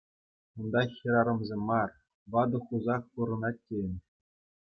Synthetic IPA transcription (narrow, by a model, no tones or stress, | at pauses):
und̪ɑxʲĭɾɑɾɤ̆mzʲemːɑr | ʋɑd̪ɤ̆χuzɑχpuɾɤ̆nɑt̚ʲːenʲ